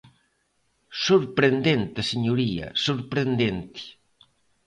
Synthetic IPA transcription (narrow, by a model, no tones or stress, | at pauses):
soɾpɾend̪ent̪eseɲuɾiɐ̰soɾpɾend̪ent̪i̥